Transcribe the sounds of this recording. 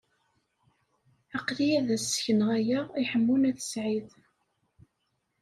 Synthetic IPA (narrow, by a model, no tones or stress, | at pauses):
ɑqlijæðæsːə̥çənəʁæjæiħəmːunæθə̥sʕið